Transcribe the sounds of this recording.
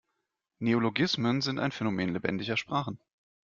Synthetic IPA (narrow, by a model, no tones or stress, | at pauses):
neoloɡɪsmənzɪnta̰ɪnfɛnomeːnlebɛ̰ndɪçɐʃpʁ̥aːχn̩